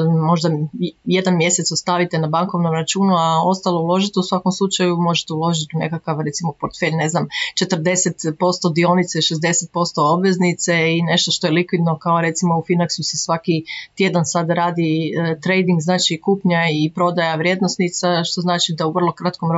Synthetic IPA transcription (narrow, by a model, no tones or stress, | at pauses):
mo̞ʒd̪aje̞d̪anmje̞se̞t̪sost̪aʋit̪enabaŋko̞ʋnomɾat͡ʃuːnuao̞st̪alˠoulˠo̞ʒit̪eusʋakomslˠut͡ʃajumo̞ʒet̪eulˠo̞ʒit̪ine̞kakaʋɾe̞t̪simo̞poɾt̪feʎne̞znamt͡ʃe̞t̪ər̩d̪e̞set̪po̞st̪o̞d̪io̞nit̪seʃezd̪e̞set̪̚po̞st̪o̞o̞bʋe̞znit̪seine̞ʃt̪o̞ʃt̪o̞jelikʋid̪no̞kaoɾe̞t̪simo̞ufinaksusesʋakit̪je̞d̪ansad̪ɾaːd̪it̪ɾe̞jd̪iŋɡznaːt͡ʃikuːpɲaipɾo̞d̪ajaʋɾje̞d̪nosnit̪saʃt̪o̞znaːt͡ʃid̪auʋrlˠo̞kɾat̪kom